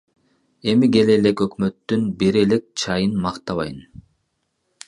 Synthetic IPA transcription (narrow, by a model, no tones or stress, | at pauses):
e̞miɡe̞lele̞køkmø̞t̪ːynbiɾe̞le̞k̚t͡ʃʰɑjɯnmɑqt̪ɑβɑjɯn